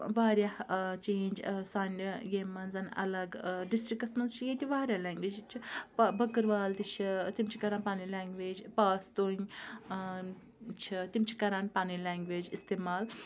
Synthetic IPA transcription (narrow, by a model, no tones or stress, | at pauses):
ʋaːɾjaht͡ʃẽːɲd͡ʒsaːnʲɡeːmɐnzɐnɐ̰lɐɡɖisʈɾikːɐsmɐnzt͡ʃʰijẽːt̪ʲiʋaːɾʲjalaːŋɡʋeːd͡ʒt͡ʃʰipbɐkəɾʋaːlt̪it͡ʃʰit̪imt͡ʃʰi̥kɐɾãːnpaːnilaːŋɡʋeːd͡ʒpaːst̪oːiŋɡ | t͡ʃʰit̪imt͡ʃʰi̥kɐɾãːnpaːnilaːŋɡʋeːd͡ʒist̪eːmaːl